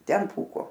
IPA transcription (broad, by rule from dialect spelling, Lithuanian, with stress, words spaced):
ˈtʲɛn ˈpuːkoː